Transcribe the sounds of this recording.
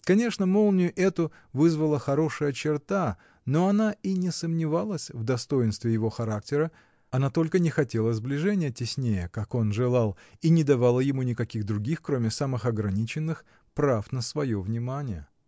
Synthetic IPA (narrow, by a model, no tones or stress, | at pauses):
kɐnʲe̞ʂnəmo̞lˠnʲʊʔɛt̪ʊ | vɨzvəlˠəxɐɾo̞ʂɨjət͡ɕɪrt̪a | no̞ɐnainʲɪsəmnʲɪvalˠəsʲvd̪ɐst̪o̞ɪnst̪vʲɪjɪvo̞xɐɾak̚tʲɪɾə | ɐnat̪o̞lʲkənʲɪxɐtʲe̞lˠəzblʲɪʐɛnʲɪjətʲɪsʲnʲejəkako̞nʐɨlˠalˠ | inʲɪd̪ɐvalˠəjɪmunʲɪkɐkʲiɣd̪ɾʊɡʲixkɾomʲɪsamɨxɐɡɾɐnʲit͡ɕɪnːɨx | pɾafnəsvɐjo̞vnʲɪmanʲɪjə̰